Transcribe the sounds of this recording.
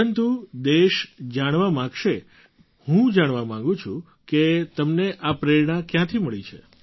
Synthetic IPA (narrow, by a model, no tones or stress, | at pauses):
ənt̪ud̪eʃd͡ʒaɽ̃ʋamãɡʃe | hũd͡ʒaɽʋamãŋ̆ɡũt͡ʃʰũ | ket̪əmneʔapɾeɾɳakjãt̪ʰiməɭit͡ʃʰḛ